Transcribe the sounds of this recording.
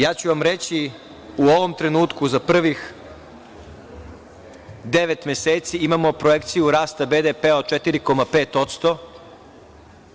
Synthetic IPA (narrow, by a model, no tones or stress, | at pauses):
jaːt͡ɕuʋamɾet͡ɕi | uoʋo̞mt̪ɾe̞nuːt̪kuzapr̩ʋix | d̪eʋet̪mjeseːt̪siimamo̞pɾojekt̪sijuɾaːst̪abeːd̪epeod̪̚t͡ʃet̪iɾiko̞mapeːt̪ot̪st̪o